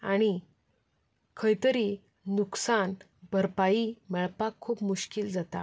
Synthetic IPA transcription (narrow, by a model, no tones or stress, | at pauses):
aɽ̃i | kʰəjt̪əɾi | nuksan | bʱəɾpaiːmɛɭpakʰːuːpmuɕkild͡zat̪a